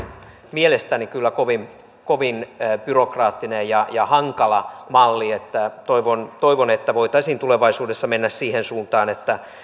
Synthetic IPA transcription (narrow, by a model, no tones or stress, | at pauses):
mielest̪ænikylːækoʋim | koʋinb̥yrokrɑːt̪ːinejjɑjɑhɑŋkɑlɑmɑlːiet̪ːæt̪oiʋont̪oiʋonet̪ːæʋoit̪ɑisiːnt̪uleʋɑisuːdesːɑmenːæssiːhensuːnt̪ɑːnet̪ːæ